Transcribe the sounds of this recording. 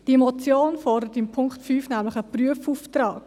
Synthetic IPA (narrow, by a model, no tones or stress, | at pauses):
d̥iemɔt͡sjoːnfɔrdəɾətɪmpʰʊŋktfyːfnæmlɪχəpryəfuːft̪rɑːk